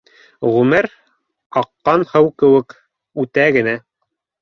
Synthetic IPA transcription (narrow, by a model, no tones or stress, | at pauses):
ʁʉmɘɾ | ɑqːɑnhɤwkɘ̆wɘk | ʉt̪æɡɘ̆næ